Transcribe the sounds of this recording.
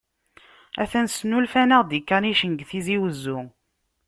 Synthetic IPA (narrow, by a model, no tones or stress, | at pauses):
æθænsnulfænəʁd̪ikːaniʃənɡθiziwəzːʊ